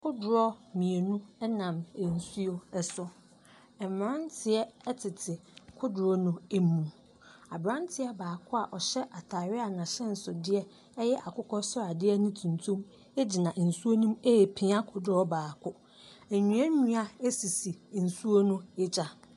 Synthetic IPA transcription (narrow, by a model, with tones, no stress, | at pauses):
kʰʊ˦dʊ˨ɾɔ˦mĩ˨e˨nũ˦ɛ˦nã˨me˨n̩˨su˦o˦ɛ˦sʊ˦ | ɛ˨m˨ã˦n˦tʰɪ˨ɛ˦ɛ˦tʰɪ˨tʰɪ˨kʰʊ˦dʊ˨ɾɔ˦nʊ̃˦e˦mũ˨ | a˨bɾã˦ntʰɪ˦a˨baː˨kʰʊ˦a˨ʔɔ˨ɕɛ˦ʔa˨tʰa˨ɾɪ˦a˨nã˨ɕɛ̃˦n̩˨sʊ˨dɪ˦ɛ˦ | jɛ˦ʔa˨kʰʊ˦kʰɔ˦sɔ˦a˨dɪ˦ɛ˦nĩ˦tʰũ˨ntʰũ˦m | e˦d͡ʑi˨nã˨ʔn̩˨su˦o˦nũ˦me˦˨pʰĩ˨a˦kʰʊ˨dʊ˦ɾɔ˦baː˨kʰʊ˦ | æ˨ɲũ˨˦ɛ̃˦ɲũ˦a˦e˦si˨si˨n̩˨su˦o˦nũ˦e˦d͡ʑa˨